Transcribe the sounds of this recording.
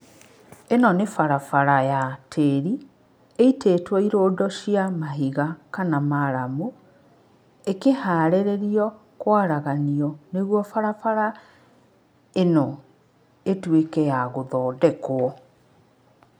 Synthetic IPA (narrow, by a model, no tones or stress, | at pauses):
enɔnefaɾafaɾajatʰeːɾi | eiteːtwɔiɾoːdɔʃiamaɦiɣakanamaɾamu | ekehaːɾɛɾeɾiɔ | kwaɾaɣaniɔneɣwɔfaɾafaɾa | enɔ | etwekɛjaɣoðɔːdɛkwɔ